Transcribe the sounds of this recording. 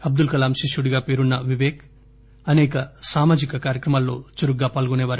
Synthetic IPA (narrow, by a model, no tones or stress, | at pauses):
ɐb̚d̪ulkɐlaːmʃiʃuɽiɡaːpe̞ːɾunːɐʋiʋeːk | ɐnɛːkɐsaːmaːd͡ʒikɐkaːɾjɐkɾɐmaːlːo̞̰ːt͡ʃuɾuɡːaːpaːlɡuneːʋaːɾ